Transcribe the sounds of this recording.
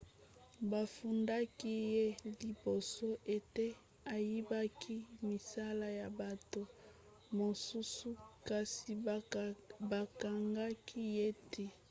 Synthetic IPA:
ba˨fu˨nda˦ki˦je˦li˨bo˨so˦ʔe˨te˦ | a˨ji˦ba˦kʰi˦mi˨sa˦la˦ja˨ba˨to˦˨ | mo˨su˦su˦ka˨si˨ | ba˨ka˨ŋɡa˦kʰi˦je˦tʰe˦

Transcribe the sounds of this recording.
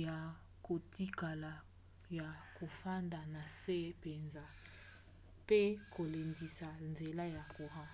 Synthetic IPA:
ja˨ | ko˨ti˦ka˨la˨ | ja˨ko˨fa˦nda˨na˨se˦pe˨nza˦ | pe˦kʰo˨le˨ndi˨sa˨nze˨la˦ja˨ko˨ha˦

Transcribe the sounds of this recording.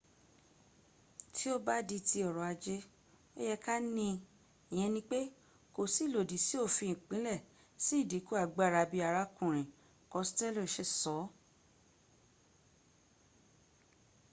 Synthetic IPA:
tʰi˦o˦ba˦di˧ti˧ɔ˨ɾɔ˨a˧d͡ʒe˦ | ḛ˦jɛ˧ka˦nĩ˧ | i˨j̃ɛ̃˧nĩ˧˦k͡pe˦ | ko˨si˨˦˨lo˨di˨si˨˦o˦˨fi˧˨k͡pĩ˨˦lɛ˦˨ | si˦˨di˨˦ku˦a˧˨ɡ͡ba˦˨ɾa˧bi˧a˧ɾa˧kũ˨ɾ̃ĩ˨ | kɔ˧˦stɛ˦lʃe˨˧˦sɔ˨˦

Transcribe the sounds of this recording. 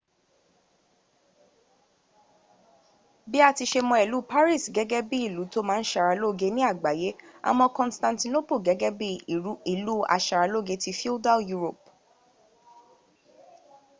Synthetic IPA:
bi˦a˦˨ti˧ʃe˧mɔ̃˧ɛ˨lu˨˦pa˦ɾi˦˨sɡɛ˨˦ɡɛ˦bi˦i˦˨lu˨˦to˦mãː˦n̩˦ʃa˧ɾa˧lo˦˨ɡe˧˦nĩ˦a˦˨ɡ͡ba˨je˨˦a̰˧mɔ̃˧kɔ̃˧nstã˧nti˧no˦po˦˨ɡɛ˨˦ɡɛ˦bi˦˨u˦i˦˨lu˦a̰˧ʃa˨˧ɾa˧lo˦˨ɡe˧ti˧fi˦da˦ju˦ɾo˨p

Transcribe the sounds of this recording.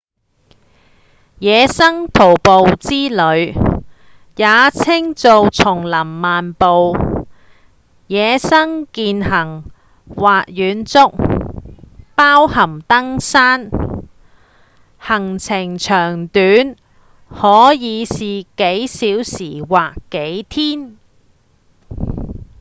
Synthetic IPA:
jɛː˨˧sɐ˥ŋt̪ʰo˨˩wpo˨wt͡siː˥lɵ˨˧ɥ | jaː˨˧t͡sʰɪ˥ŋt͡so˨wt͡sʰʊ˨˩ŋlɐ˨˩mːaː˨npo˨w | jɛː˨˧sɐ˥ŋkiː˧nhɐ˨˩ŋ | waː˨t̚jyː˨˧nt͡sʊ˥k̚ | paː˥whɐ˨˩mt̪ɐ˥ŋsaː˥n | hɐ˨˩ŋt͡sʰɪ˨˩ŋt͡ʃʰœː˨˩ŋt̪yː˨˥n | hɔː˨˥jiː˨˧siː˨ke˨˥jsiː˨˥wsiː˨˩waː˨kːe˨˥jt̪ʰiː˥n

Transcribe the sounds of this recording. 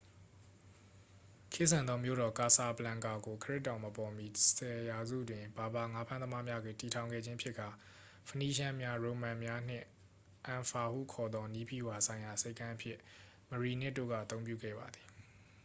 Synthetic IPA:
kʰɪ˦ʔsã˨nd̪ðɔ˦mjo̰˦˨ɾɔ˨ka˨sa˨bəlã˨ŋka˨ɡo˨kʰəɹɪ˦tːã˨ʊ̃məpɔ˨mi˨sʰɛ˨ja˨zṵ˦˨dwɪ̃˨ba˨ba˨ŋa˦pʰã˦nd̪ə˦ma˦mja˦ɡwe˨ti˨tʰã˨ʊ̃ŋɡɛ̰˦˨d͡ʑɪ̃˦ʔəpʰjɪ˦ʔkːa˨ | pʰə˨ni˦ʃa˦mja˦ɹõ˨mã˨mja˦n̥ɪ̰̃˦˨ | ʔã˨fa˨hṵ˦˨kʰɔ˨d̪ɔ˦ni˦pḭ˦˨wa˨sʰã˨ɪ̃ja˨se˦ɪkːã˦ʔə˦pʰjɪ̰˦˨ | mə˨ɹi˨nɪ˦ʔtːo̰˦˨ɣa̰˦˨ət̪õ˦ʊ̃mpjṵ˦˨ɡɛ̰˦˨ba˨d̪ði˨

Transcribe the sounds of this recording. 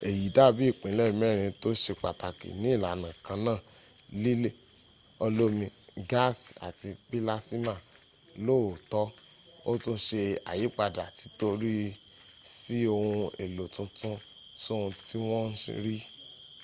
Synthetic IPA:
e˨ji˨˦da˦˨bi˦i˦˨k͡pĩ˨˦lɛ˦˨mɛ˦˨ɾ̃ĩ˧to˦ʃe˧k͡pa˨ta˨kḛ˨nĩ˨˦i˦˨la˨˦nã˨kã˧˦nãː˦˨ | li˦le˦˨ | ɔ˧lo˦mĩ˧ɡa˦˨sa̰˨ti˧k͡pi˦la˦si˦ma˦˨ | lo˦˨tɔ˦ | o̰˦tũ˦ʃe˧a̰˨ji˨˦k͡pa˧˨da̰˨ti˧˦to˦ɾi˦ | si˦o˧hũ˧e˨lo˨tũ˧tũ˦ | to˦ũ˧ti˦w̃ɔ̃˦n̩̰˦˧ɾi˦

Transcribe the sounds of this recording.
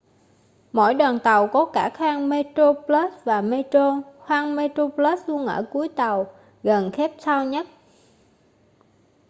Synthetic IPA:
mo̰˧˩˨jɗwaː˨˩nt̪ə˨˩wkɔ˨˦kaː˧˩xwaː˧ŋme˧t̪ɾo˧pləː˦˥svaː˨˩me˧to˧xwaː˧ŋme˧t̪ɾo˧plə˦˥slu˧ənʔə̰ː˧˩ku˨˦əjt̪ə˨˩w | ɣə˨˩nxɛ˦˥p̚sa˧wɲə˦˥t̚

